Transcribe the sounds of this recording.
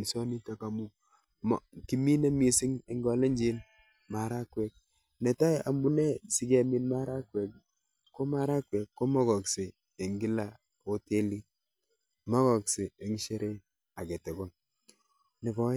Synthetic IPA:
nso˦ni˦ta˦ka˨mu˦ | m˨ki˨mi˦ne˦mi˨sɪ˦ŋe˨ŋɡɔ˨le˦ɲd͡ʒi˦n | ma˨ɾa˦kwɛ˨k̚ | ne˨ta˦ʔa˨mbu˦ne˦si˨ke˨mi˦nma˦ɾa˦kwɛ˨k | ko˦ma˦ɾa˦kwɛ˨kːo˦mɔ˦kɔ˨kseː˨ | ŋɡi˦la˦˨ | o˦te˦li˦ | ma˦kɔ˨kse˨e˨ŋ˦ʃe˦ɾe˦ | a˨ke˨te˨ko˦n | nɪ˨bɔ˦

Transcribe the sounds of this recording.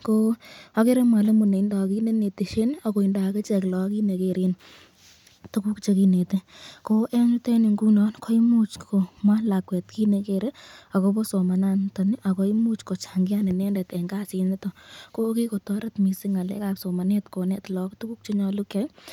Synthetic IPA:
ko˦a˦ke˦ɾe˦ma˨le˦mu˨ne˨i˦nda˨ki˦ne˦ne˨ti˨ʃe˦na˨ko˨i˨nda˨ke˦t͡ʃɛ˨klɔ˨˦ki˦ne˨ke˨ɾen | tu˦ku˦kt͡ʃe˧ki˦ne˨teko˦ʔɛ˦ɲu˦tɛ˦nɪ˨ŋɡu˦nɔnkʰɔ˦i˦mut͡ʃko˨ma˦nla˨kwɛ˨tki˦nekeɾe˦a˨ko˦bɔ˦so˨ma˨na˦ntɔ˨nɪ˦ʔa˨ko˦imu˦t͡ʃko˨t͡ʃa˨ŋɡɪ˦a˦ne˨nɛ˦ndɛ˨tɛ˨ŋɡaː˦si˨n˦tɔ˦ko˦ki˦ko˨tɔ˦ɾɐ˦tmi˨siŋa˨lɛ̰˦ka˨pso˨ma˨nɛ˦tko˨nɛ˦tlɔ˦ktu˦ku˦k̚t͡ʃe˦ɲɔ˧lu˦kɛ˨j

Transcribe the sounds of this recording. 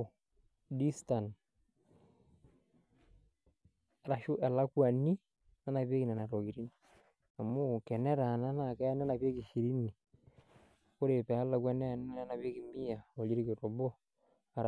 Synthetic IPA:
di˦sta˨n | ɾa˨ʃʊ˦ʔɛ˨la˦kwa˨ni˦ | na˦na˨pe˦ki˨na˨na˨ɾɔ˨ki˨ɾi˦ni˨ | a˨mʊ˦kɛ˨nɛ˦ɾa˨na˦na˨kɛ˦a˦na˦na˨pe˦ki˨ʃi˨ɾi˦ni˨ | ko˦ɾe˨pɛ˨a˦la˨kwɛ˦n˦˨n˦a˦na˨pe˦kɪ˨mi˦a˨ɔ˨li˦ɾi˦kɪ˨ɾɔ˨bɔ˦ | a˨ɾ

